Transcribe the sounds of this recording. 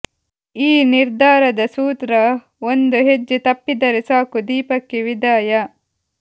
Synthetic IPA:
iːniɾd̪aːɾɐd̪ɐsuːt̪ɾɐ | ond̪uɦed͡ʒːut̪ɐpːid̪ɐɾisaːkud̪iːpɐkːiʋid̪aːjɐ

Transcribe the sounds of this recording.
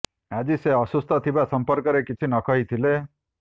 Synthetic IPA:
ad͡ʒiseɔsust̪ʰɔt̪ʰibasɔmpɔɾkɔɾekit͡ʃʰinɔkɔɦit̪ʰile

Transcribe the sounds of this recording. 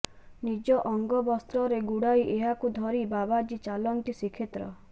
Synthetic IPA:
nid͡ʒɔʔɔŋɡɔbɔst̪ɾɔɾeɡuɽajʔeɦakud̪ʱɔɾibabad͡ʒit͡ʃalɔŋt̪isikʰet̪ɾɔ̰

